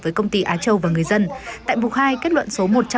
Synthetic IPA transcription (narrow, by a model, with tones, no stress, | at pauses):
vəː˨˦jkə˧wŋ͡mt̪i˧ʔaː˨˦t͡ɕə˧wvaː˨˩ŋɨ˨˩əjzə˧nt̪a̰ː˧˨jmu˨˩t̚haː˧jke˦˥t̚lwə̰˧˨nso˨˦mo˨˩t̚t͡ɕa˧